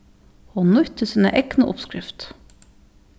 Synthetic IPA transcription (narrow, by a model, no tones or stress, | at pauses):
hoːnʊt̪ʰəsiːnə̰ʔɛknəʔʊ̰pskɾɪft̪